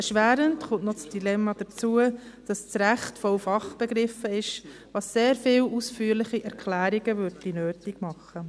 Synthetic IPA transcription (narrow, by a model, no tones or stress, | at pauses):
ɛʃʋæːɾəntχʊntnɔt͡sd̥ilɛmːɑd̥ət͡suəd̥ɑst͡sɾæχtfɔwfɑχb̥ɛɡɾɪfːəɪʃ | ʋɑsːeːɾfɪːwusfyːəɾlɪχiʔɛɾkʰlæːɾiɡəʋʏɾdinøːtiɡmɑχə